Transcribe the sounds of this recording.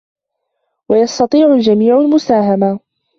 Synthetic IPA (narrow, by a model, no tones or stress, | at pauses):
wajɑst̪ɑt̪ˤiːʕʊld͡ʒamiːʕalmʊsaːɦama